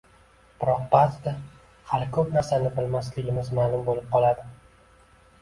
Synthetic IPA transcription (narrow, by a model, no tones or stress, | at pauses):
b̥ɪɾɒq̚bat̪d̪a | halɪkʰɵpnaɾsanɪbɪlmaslɪɡʲɪmɪzmaːlˠʊmbolɪp̚qʰɒlˠad̪ɪ